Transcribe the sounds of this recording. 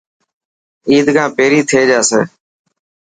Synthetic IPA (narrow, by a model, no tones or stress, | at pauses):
iːd̪kãːpeːɾiːt̪ʰeːd͡ʒaːseː